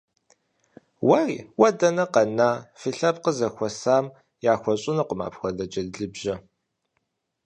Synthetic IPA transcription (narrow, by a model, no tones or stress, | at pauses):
wɐrḭːwɐdɐnɐqɐnaːfɨɬɐpqəzɐxʷɔsaːm | jaːxʷɔɕʼɪnɐqʷʊma̰ːpxʷɐdɐd͡ʒɐdɮɨbʒɐ